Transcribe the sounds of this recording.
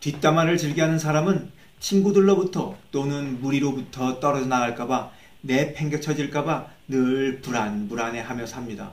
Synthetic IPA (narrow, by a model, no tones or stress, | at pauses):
tɥit͈amaɾɯɭt͡ɕɯɭɡiɦanɯnsʰaɾamɯn | t͡ɕʰinɡudɯɭːobutʰʌt͈onɯnmuɾiɾobutʰʌt͈ʌɾʌd͡ʑʌnaɣaɭk͈aba | ne̞pʰe̞ŋɡjʌt͡ɕʰʌd͡ʑiɭk͈aba | nɯɭpuɾanbuɾane̞ɦamjʌsɦamɲida̰